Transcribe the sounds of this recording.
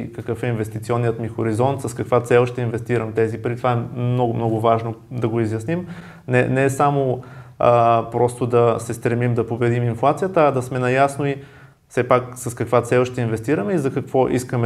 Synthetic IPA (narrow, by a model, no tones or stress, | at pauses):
kɐkɤfɛinvɛst̪it̪siɔnːiət̪mixoɾizɔnt̪sɐskɐkvat̪sɛlˠʃt̪ɛinvɛst̪iɾɐmt̪ɛzipəɾit̪ovaɛnɔɡmnɔɡʊvaʒnod̪ɐɡoizjɐsnim | nɛnɛsamoəpɾɔst̪od̪ɐsɛst̪ɾɛmimd̪ɐpobɛd̪iminflˠat̪sijət̪əɐd̪ɐsmɛnɐjasnoi | fsɛpaksɐskɐkvat̪sɛlˠoʃt̪ɛinvɛst̪iɾəmɛizɐkɐkvɔʔiskəmɛ